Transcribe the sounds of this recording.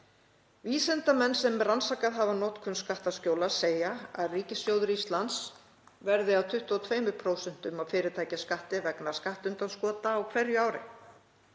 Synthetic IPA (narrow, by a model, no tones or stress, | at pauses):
viːsɛnt̪amɛnːsɛmransakaðɦavanɔt̪kʰʏnskaht̪ascoːwlḁseːjaa̰ðriːcɪsjowðʏɾist̪lans | vɛɾðɪawt̪ʰʏht̪uɔt̪ʰveːjmʏpʰɾoːwsɛn̥t̪ʏmawfɪːɾɪt̪ʰaːjcaskaht̪ɪvɛknaskaht̪ʏnt̪anskɔːt̪aːwkʰvɛɾjʏaːwɾɪ̰